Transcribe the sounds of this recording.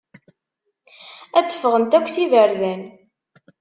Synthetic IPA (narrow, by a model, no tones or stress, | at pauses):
æt͡sːə̥fːəʁənt̪ækʷːsivəɾðæn